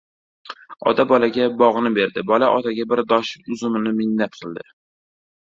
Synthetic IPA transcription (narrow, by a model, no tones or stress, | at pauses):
ɒ̰t̪ʰabɒlaɡʲabɒʁnɪbe̞ɾd̪ɪbɒlaʔɒt̪ʰaɡʲabɪɾd̪ɒʃɪʊzʊmɪnɪmɪnːat̪̚qʰɨlˠd̪ɪ